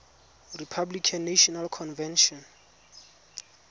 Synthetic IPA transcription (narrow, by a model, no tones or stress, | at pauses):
ripʰablikʰanːaʃɔnalkʰɔnvɛnʃɔn